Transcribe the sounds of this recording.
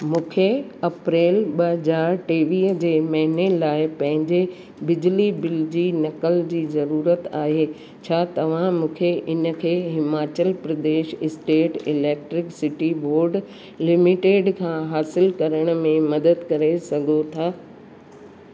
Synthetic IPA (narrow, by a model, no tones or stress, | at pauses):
mũːkʰeɐpɾeːlɓɐɦəd͡ʑaːɾʈeːʋiːɦd͡ʑeːmɐɦɪnelaːɪpɐ̃ɦɪ̃ɲd͡ʑe | bɪd͡ʑlibɪld͡ʑiːnɐkəld͡ʑiːzɐɾuːɾət̪aːɦeː | t͡ɕʰaːt̪ɐʋ̤ãmũːkʰeʔɪnə̆kʰeːɦɪmaːt͡ɕəlpɾɐd̪eːʃɪsʈeːʈɪleːk̚ʈɾɪksɪʈiboːɾɖ | lɪmɪʈeːɖkʰãːɦaːsɪlkɐɾəɽ̃mẽmɐd̪əd̪kɐɾesɐɡʱot̪ʰaː